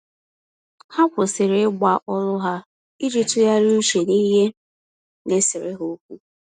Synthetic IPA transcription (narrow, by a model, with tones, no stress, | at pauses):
ha˦kʷʊ˨sɪ˨ɾɪ˦ɡ͡ba˨ʔɔ˦lʊ˦ɦa˦ | i˦d͡ʒi˦tu˦ja˦ɾu˦ʃe˨ni˦ɦe˦ | ne˦sɪ˨ɾɪ˦ɦo˦kʷu˦